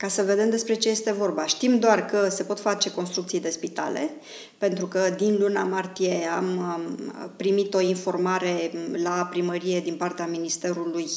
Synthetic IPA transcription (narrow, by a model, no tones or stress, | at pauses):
kasəve̞d̪e̞md̪e̞spɾe̞t͡ʃeje̞st̪e̞vo̞rbaʃt̪imd̪oarkəse̞po̞t̪fat͡ʃe̞ko̞nst̪ɾukt̪sijd̪e̞spit̪a̰le̞̰ | pe̞nt̪ɾukəd̪inlunamart̪ije̞am | pɾimit̪o̞info̞rmaɾe̞lapɾiməɾije̞d̪inpart̪eaminist̪e̞ɾuluj